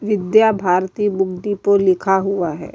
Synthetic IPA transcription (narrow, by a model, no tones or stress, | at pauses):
ʋɪd̪jabʱaːɾt̪iːbʊɡd̪ipəlɪkʰaɦuaɦɛ̰ː